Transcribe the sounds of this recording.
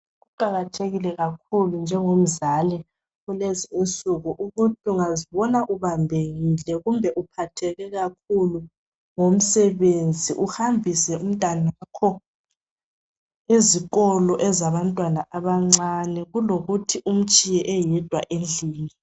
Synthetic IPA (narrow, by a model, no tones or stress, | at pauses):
ɣuǃʱaɣatʰeɣilɛɣak̚ʰulund͡ʒʱɛŋom̩zalɛ | uleziint͡sʼuɣuʔuɣutʰiuŋaziβɔnaʔuβambʱeɣilɛɣumbʱɛʔupʰatʰɛɣɛɣak̚ʰulu | ŋom̩sɛβend͡zʱiʔuhambʱisɛum̩tʼanakʰɔ | eziɣ̬ʼɔlɔʔɛzaβantʼwanaʔaβaŋ͡ǀanɛɣuloɣutʰiʔum̩t͡ʃʼijɛʔɛjɛd̥ʱwa̰ʔend͡ɮʱiːni